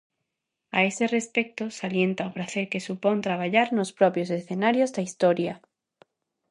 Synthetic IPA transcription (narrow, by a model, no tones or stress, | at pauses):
aeserespek̚t̪osaljent̪aopɾaθeɾkesupõnt̪ɾaβ̞aʎaɾnospɾɔpɾjos̬esθenaɾjozðaist̪oɾja